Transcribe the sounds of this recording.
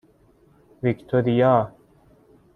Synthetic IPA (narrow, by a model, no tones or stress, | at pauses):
vikt̪ʰoɾijaː